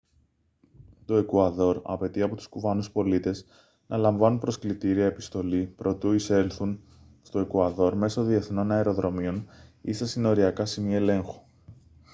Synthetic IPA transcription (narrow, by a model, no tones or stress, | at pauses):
t̪o̞e̞kuɐðo̞ɾɐ̰pe̞t̪iɐpo̞t̪u̥skuvɐnuspo̞lit̪e̞z | nʔɐlɐɱvɐnunpɾo̞sklit̪iɾiɐe̞pist̪o̞lipɾʔo̞t̪uise̞lθun | st̪o̞e̞kuɐðo̞ɾme̞soðie̞θno̞nɐeɾo̞ðɾo̞mio̞nisɐsino̞ɾiɐkɐsimiɐe̞le̞ŋxu̥